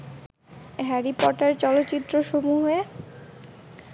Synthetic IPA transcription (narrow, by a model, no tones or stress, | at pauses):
ɦɛɾipɔʈaɾt͡ɕɔlot̪ːɕit̪ːɾoʃomuɦoe